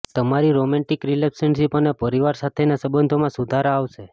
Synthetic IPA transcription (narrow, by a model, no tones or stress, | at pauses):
t̪əmaɾiɾomɛ̃ɳʈikɾilɛksənʃipənapəɾiʋaɾsat̪ʰenasəbənd̪ʱomãsud̪ʱaɾaaʋʃe